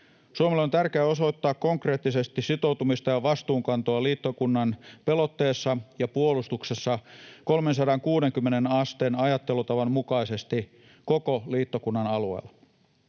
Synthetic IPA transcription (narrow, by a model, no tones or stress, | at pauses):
suomelːont̪ærkeæo̞so̞it̪ːɑːkko̞ŋkre̞ːt̪ːise̞st̪issit̪o̞wt̪umist̪ɑjɑʋɑst̪uːŋkɑnt̪oɑliːt̪ːo̞kunːɑnpe̞lo̞t̪ːeːsːɑjɑpuolust̪ukse̞sːɑko̞lmensɑdɑŋkuːɾe̞ŋkymːenenɑst̪enɑjɑt̪ːe̞lut̪ɑʋɑmmukɑise̞st̪i | ko̞koliːt̪ːokunːɑnɑluḛːl